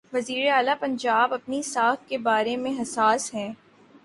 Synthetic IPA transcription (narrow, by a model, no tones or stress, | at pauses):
ʋɐziːɾeaːlapɐ̃nd͡ʒaːbɐpnisaːfkebaːɾemẽɦɐsaːsɦɛ̃ː